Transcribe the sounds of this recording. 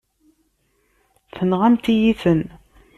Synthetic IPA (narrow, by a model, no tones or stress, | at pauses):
θənʁamt̪ijiθən